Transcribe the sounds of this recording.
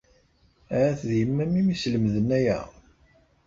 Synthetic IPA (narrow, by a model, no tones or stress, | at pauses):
ɾæθðjəmːæmimisləmðənæjæ̰